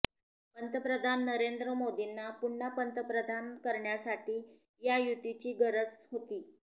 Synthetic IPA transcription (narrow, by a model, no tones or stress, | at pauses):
pənt̪əpɾəd̪ʱanːəɾend̪ɾəmod̪inːapuɳɳapənt̪əpɾəd̪ʱankəɾɳjasaʈiː | jajut̪it͡ɕiːɡəɾət͡sɦot̪iː